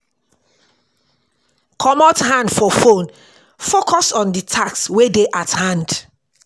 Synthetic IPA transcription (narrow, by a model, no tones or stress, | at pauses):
kʰɔmɔthãndfɔfõn | fokʰɔsɔ̃nditʰakswedeʔathãnd